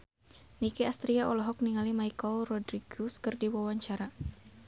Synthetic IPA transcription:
nikiast̪ɾiaɔlɔɦɔk̚niŋalimaikɔlrɔdɾiɡuskɨrdiwawaɲt͡ʃaɾa

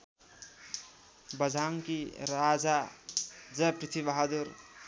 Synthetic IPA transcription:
bʌd͡zʱaŋkiɾad͡za | d͡zʌpɾit̪ʰibaɦad̪uɾ

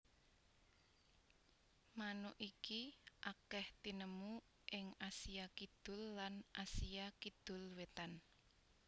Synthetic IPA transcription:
manoʔikiʔakɛht̪inəmu | ʔɪŋasijakid̪̥ʊ̤lːanʔasijakid̪̥ʊ̤lwet̪an

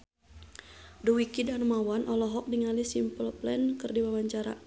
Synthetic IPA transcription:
duwikidanmawanʔɔlɔɦɔk̚diŋalisimpəlplɛnkɨrdiwawaɲt͡ʃaɾa̰

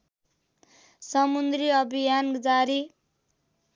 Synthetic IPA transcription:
sʌmund̪riʌbʱijand͡zaɾi

